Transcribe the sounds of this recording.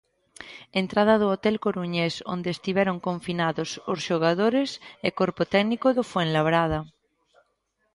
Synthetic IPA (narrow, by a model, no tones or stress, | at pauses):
ent̪ɾað̞að̞oot̪ɛlkoɾuɲeso̰nd̪est̪iβɛɾoŋkõɱfinaðososʃoɣ̞að̞oɾesekoɾpot̪ɛɡnikoðofwenlaβ̞ɾað̞a